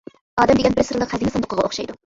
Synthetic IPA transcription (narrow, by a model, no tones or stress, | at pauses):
ɑːd̪ɛmd̪eɡʲɛnbɪɾsɨɾlˠəqhæzɪŋʲɪsɑnd̪ʊqʰːəʁɑo̰χʃɑjd̪u